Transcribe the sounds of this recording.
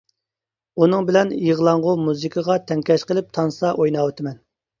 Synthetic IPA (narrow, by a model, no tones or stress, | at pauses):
unɨŋbɪlɛnjəʁlˠɑɴʁʊmuzɨkʰəʁɑt̪ʰɛŋkʲɛʃqəlˠɪp̚t̪ʰɑnsɑʔojnɑːwet̪ʰɪmɛn